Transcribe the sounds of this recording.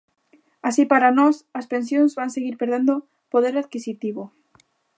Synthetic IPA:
asipaɾanɔsɐspẽnsjõŋzβaŋseɣiɾpeɾðend̪o | poð̞eɾaðkisit̪iβo

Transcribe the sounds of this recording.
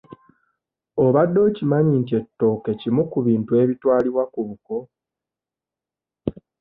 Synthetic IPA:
oβadːo̞cimaɲintie̞tːo̞ke̞cimukuβiːntue̞ːβitwaːliβwakuβuko̞

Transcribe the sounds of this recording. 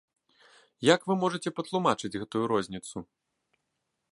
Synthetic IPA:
jakvɨmɔʐɐt͡sʲɛpɐt̪lˠumat͡ʂɨd͡zʲɣɛt̪ujuɾɔzʲnʲit̪su

